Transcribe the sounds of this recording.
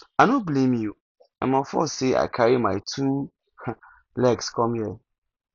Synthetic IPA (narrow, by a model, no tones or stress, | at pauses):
anõblẽmjju | ã̰mãfɔ̰seʔa̰ɪkʰaɾimãɪtʰu | lɛɡskʰɔ̃mjɛ